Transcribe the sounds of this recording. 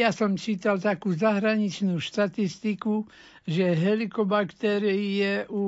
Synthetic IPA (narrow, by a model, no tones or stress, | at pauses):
jasɔmt͡ʃiːt̪alt̪akuːzaɦɾaɲit͡ʃnuːʃt̪at̪ist̪iku | ʒɛɦɛlikɔbakt̪ɛːɾiɛʔu